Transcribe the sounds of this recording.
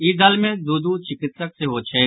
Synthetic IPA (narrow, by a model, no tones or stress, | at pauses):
iːd̪əlmẽːd̪uːd̪uːt͡ʃʰɪkɪt̪sək̚seːɦoːt͡ʃʰeː